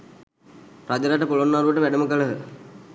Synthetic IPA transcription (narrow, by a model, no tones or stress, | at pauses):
ɾad͡ʑəɾaʈəpulonːaɾuʋəʈəʋæɖəməkələɦə